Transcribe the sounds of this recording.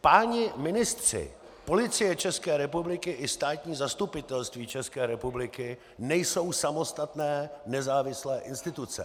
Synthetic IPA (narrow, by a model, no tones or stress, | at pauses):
paːɲɪmɪnɪst̪r̝̥ɪ̰ | po̞lɪt͡sɪjɛt͡ʃɛskɛːɾɛpublɪkɪʔɪst̪aːt̪ɲiːzast̪upɪt̪ɛlst̪viːt͡ʃɛskɛːɾɛpublɪkɪ | nɛjso̞wsamo̞st̪at̪nɛːnɛzaːvɪslɛːʔɪnst̪ɪt̪ut͡sɛ̰